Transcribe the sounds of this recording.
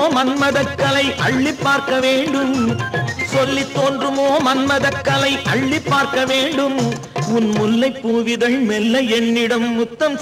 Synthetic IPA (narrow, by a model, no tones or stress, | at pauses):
mɐnmɐðɐkːɐlɐɪʔɐɭːipːaːɾkɐʋeːɳɖɯm | sɔlːɪt̪ːoːndrɯmoːmɐnmɐðɐkːɐlɐɪʔɐɭːɪpːaːɾkɐʋeːɳɖɯm | ʊnmʊlːɐɪpːuːʋɪðɐɭmɛlːɐɛnːɪɽɐmːʊt̪ːɐm